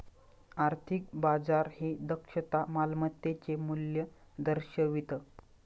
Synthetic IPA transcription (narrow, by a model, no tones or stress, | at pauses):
aɾt̪ʰik̚bad͡zaɾhed̪əkʂət̪amalmət̪ːet͡ɕemuljə | d̪əɾɕəʋit̪ə